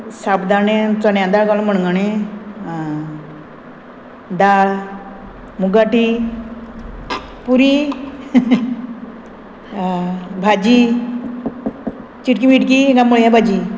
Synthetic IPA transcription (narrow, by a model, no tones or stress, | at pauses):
sabd̪anet͡sɔnjãd̪aɡalɔməɳŋɡane | d̪a | muɡaʈi | puɾi | bʱad͡ʑi | t͡ɕiʈkimiʈkiŋɡamuɭjabʱad͡ʑi